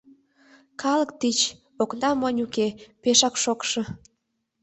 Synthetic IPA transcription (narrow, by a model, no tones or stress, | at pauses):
kʰɑləkt̪it͡ɕ | oknɑmənʲukepeʃɑkʃokʃɤ̆